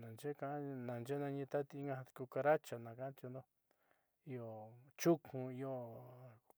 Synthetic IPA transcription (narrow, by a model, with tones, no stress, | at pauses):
nã˨nd͡ʒe˦˧kã˦nã˨nd͡ʒe˦nã˧ɲĩ˧t̪a˦t̪i˧i˦ŋɡã˧ku˧ka˧ɾa˦t͡ʃa˨nã˨kã˦ã˦t͡ʃ̪o˧nd̪o˦˧ | i˧˦o˨t͡ʃu˦kʰũ˧i˧o˧